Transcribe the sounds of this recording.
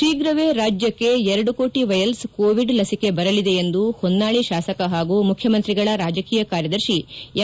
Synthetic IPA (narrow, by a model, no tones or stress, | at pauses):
iːɡɾɐʋeɾaːd͡ʒjɐkːe̞ɛɾɐɽuko̞ːʈiʋɐjɐlskoːʋiɖlɐsike̞bɐɾɐlid̪e̞end̪uhondːaːɭiʃaːsɐkɐɦaːɡuːmukʰjɐmɐnt̪ɾiɡɐɭɐɾaːd͡ʒɐkiːjɐkaːɾjɐd̪ɐɾʃi